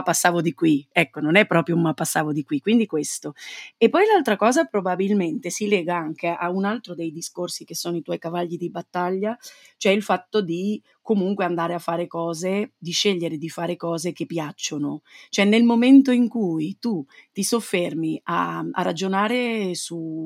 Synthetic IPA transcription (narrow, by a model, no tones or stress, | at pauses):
apːasːaːvod̪ikwiɛkːononɛpːɾɔːpɾjoumːapːasːaːvod̪ikwikwind̪ikwest̪oepːɔjlalt̪ɾakɔːzapɾobabilment̪esilɛːɡaaŋkeʔaunalt̪ɾod̪ejd̪iskorsikesːoːnoit̪wɔjkavaʎːid̪ibat̪ːaʎːa | t͡ʃoɛilfat̪ːod̪i | komuŋkweand̪aːɾeafːaːɾekɔːzed̪iʃːeʎːeɾed̪ifaːɾekɔːzekepːjat͡ʃːonot͡ʃoɛnːelmoment̪oiŋkujt̪ut̪isofːermia̰a̰rːad͡ʒonaːɾesu